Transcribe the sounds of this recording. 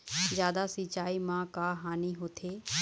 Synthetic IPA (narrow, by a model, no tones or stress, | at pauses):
zjaːd̪asit͡ʃaːimãːkaːɦaːniɦoːt̪ʰeː